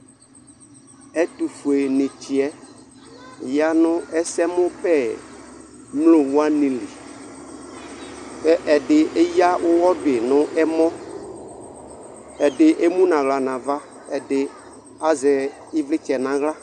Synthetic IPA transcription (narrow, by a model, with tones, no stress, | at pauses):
ɛ˦tu˨fu˨e˨nɪ̃˨t͡ʃɪ˨ɛ˦˨ | ja˦nʊ̃˦ɛ˦sɛ˦mʊ̃˦pɛ˦ | mlo˨wʊ˦a˦nĩ˨li˨ | ɛ˦ʔɛ˨dɪ˨ʔe˦ja˦wʊ˦wɔ˦dɪ˨nʊ̃˦ʔɛ˦mɔ̃˦ | ɛ˨dɪ˨ʔe˦mũ˦nã˨ɣla˨nã˨va˦ | ɛ˨dɪ˦ | a˦zɛ˨ | ɪ˦vlɪ˦t͡ʃɛ˨nã˨ɣla˦